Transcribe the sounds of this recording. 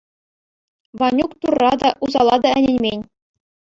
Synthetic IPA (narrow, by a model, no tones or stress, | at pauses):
ʋɑnʲukt̪urːɑd̪ɑʔuzɑlˠɑd̪ɑɘ̆nʲĕnʲmʲenʲ